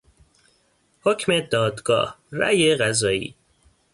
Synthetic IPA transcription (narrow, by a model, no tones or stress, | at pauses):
hocʰmed̪ɒːd̪ɡɒ̰ːhɾæ̰jeɣæzɒːḭː